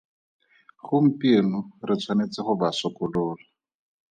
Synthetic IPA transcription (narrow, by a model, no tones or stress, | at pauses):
χʊm̩penʊrɪt͡sʰwanet͡sɪχʊbasɔkʊlʊːla